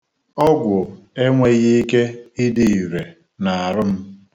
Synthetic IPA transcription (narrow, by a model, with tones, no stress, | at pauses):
ɔ˦ɡʷʊ˨e˦ŋʷe˦ɣɪ˦i˦ke˦ɪ˦dɪ˨i˨ɾe˨ | na˨a˨ɾʊ˦m̩˦